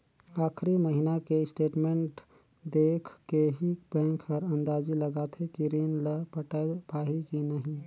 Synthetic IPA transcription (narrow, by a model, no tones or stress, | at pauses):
aːkʰɾiməɦinakesʈeʈmẽɳʈ | d̪ekʰkeɦibɛ̃ŋkʰəɾə̃nd̪ad͡ʒiləɡat̪ʰekiɾinləpʈpaɦikinəɦĩ